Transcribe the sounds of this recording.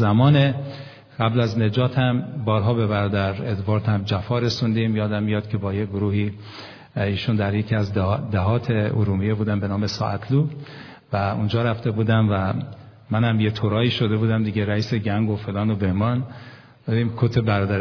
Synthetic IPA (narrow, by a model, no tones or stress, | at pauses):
zæmɒːne | ɢæblæzne̞d͡ʒɒːt̪ʰhæmbɒːɾɦɒːbe̞bæɾɒːd̪æɾet̪vɒːɾt̪ʰhæmd͡ʒæfɒːɾesund̪imjɒːd̪æmːijɒːd̪̚kʰʲe̞bɒːjeɡoɾuːhiː | iːʃund̪æɾjecʰiæzd̪æɦɒːt̪ʰeoɾuːmijebuːd̪æmbe̞nɒːmesɒ̰ːʔæt̪ʰluː | væund͡ʒɒːɾæft̪e̞buːd̪æmvæ | mænhæmjet̪ʰoɾɒːiːʃod̪e̞buːd̪æmd̪iːɟeɾæiːse̞ɡæŋɡofelɒːnobe̞hmɒːn | bebimkʰot̪ʰebæɾɒːd̪æɾ